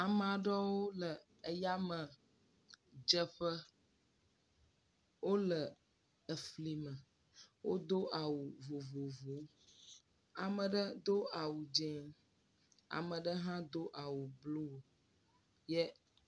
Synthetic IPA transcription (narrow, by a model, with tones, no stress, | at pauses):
a˨m˨a˨ɖɔ˦wo˦lə˨ | ə˦ja˦mə̃˨ | d͡ʒə˦ɸə˦ | wo˦lə˨ | ə˨fli˨mə̃˨ | wʔo̰˦d̪o˦ʔa˨wu˨vo˨vo˨vo˨˦ | a˨mə̃˨ɖə˦d̪o˦a˨wu˨d͡ʒɛ˨˦ | a̰˨mə̃˨ɖə˦ɦã˦d̪o˦ʔa˨wu˨blu˦wo˨ | jɛ˦